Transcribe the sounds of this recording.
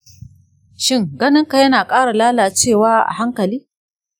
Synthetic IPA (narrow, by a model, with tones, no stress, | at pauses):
ʃɪ˦˨ŋɡɐ˦nɪ˦ŋka˨jɐ˦naː˨kʼaː˦ɽa˨laː˦laː˨t͡ʃeː˦˨waː˦ʔa̰˨ɦa˦ŋkɐ˨liː˦